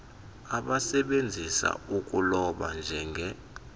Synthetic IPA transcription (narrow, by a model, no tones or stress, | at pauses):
aɓasɛɓend͡zʱisa̰uk̬ʼulɔɓand͡ʒʱɛŋɡʱɛ